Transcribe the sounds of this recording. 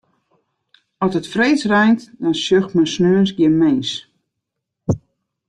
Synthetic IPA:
ɔsətfreːsrɛjntdɔnsjøxtmɛnsnøənsɡjɪənmeːs

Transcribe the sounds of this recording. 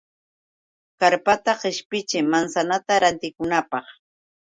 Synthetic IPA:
kaɾpat̪aqɪʃpɪt͡ʃɪmansanat̪aɾant̪ɪkʊnapɑχ

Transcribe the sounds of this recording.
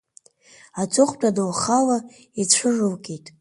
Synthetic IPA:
at͡sʼʊχʷt͡pʷʼadowχala | it͡ɕʷʰɨʐɨlɡʲejtʼ

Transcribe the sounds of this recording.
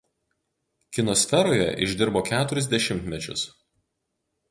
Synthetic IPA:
kʲɪnɔsʲfʲɛɾoːjɛ̰ʔɪʒʲd̪ʲɪɾboːkʲæːt̪ʊɾʲɛzʲd̪ʲɛʃʲɪmʲt̪ʲmʲɛt͡ʃʲʊ̰s

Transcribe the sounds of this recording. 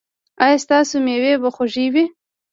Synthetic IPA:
ɑjɑst̪ɑsomewebəxoʒiwi

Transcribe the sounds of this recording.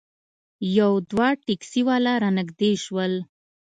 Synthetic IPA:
jawd̪wɑʈiksiwɑlaɾɑnəɡd̪eʃwəl

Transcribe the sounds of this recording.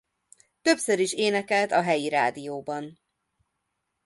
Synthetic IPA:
t̪ø̞psøɾiʃeːnɛkɛlt̪ɒɦɛjiɾa̰ːd̪ijoːbɒn

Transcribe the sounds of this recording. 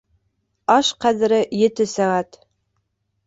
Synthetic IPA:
ɑʃqæðɘ̆ɾɘjɘ̆t̪ɘsæʁæt̪

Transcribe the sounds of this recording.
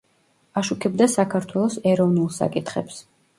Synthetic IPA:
aʃukʰɛbd̪asakʰaɾt̪ʰwɛlˠɔsɛɾɔvnulˠsa̰kʼit̪χɛ̰ps

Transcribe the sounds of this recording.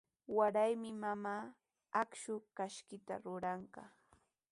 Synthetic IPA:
waɾajmɪmamaː | akʃʊkaʃkɪt̪a̰ɾʊɾɑɴɢɑ

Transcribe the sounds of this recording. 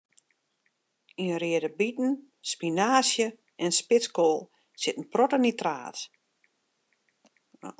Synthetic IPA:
inəriədəbitn̩ | spinaːsjə | ɛnspɪskolˠ | sɪtn̩protənitra̰ːt

